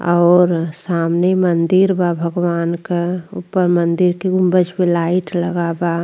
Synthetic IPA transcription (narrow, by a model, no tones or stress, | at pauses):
ɔːɾsaːmnemənd̪iɾbabʱəɡwaːnkeupːəɾmənd̪iɾkeɡʊ̃mbəd͡ʒbelaɪʈləɡaba